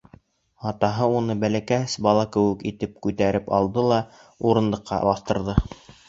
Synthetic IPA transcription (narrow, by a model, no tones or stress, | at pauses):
ɑt̪ɑɦɤunɤbælækæsbɑlˠɑkɘ̆wɘkit̪ɘp̚kʉt̪æɾɘpɑ̰lˠd̪ɤlˠɑ | uɾɤ̆nd̪ˠɤ̆qʰːɑ̰bɑθt̪ɤ̆ɾðɤ